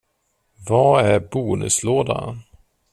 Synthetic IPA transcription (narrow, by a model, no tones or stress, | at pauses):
vɑæɾbuːnɵ̰sloːd̪a̰